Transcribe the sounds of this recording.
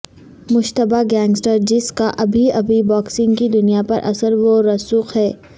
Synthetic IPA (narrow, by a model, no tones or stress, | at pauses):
mʊʃt̪əbaɡɛ̃ːŋɡsʈəɾd͡ʒɪskaʔɐbʱiɐbʱibɔːksɪ̃ŋɡkid̪ʊnijapɐɾʔɐ̰səɾʋoɾɐsuːxɦɛː